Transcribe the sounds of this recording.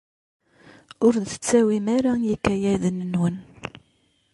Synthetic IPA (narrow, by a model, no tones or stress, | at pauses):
ʊɾðə̥t͡sːæwimæɾajikːæjæðənənwən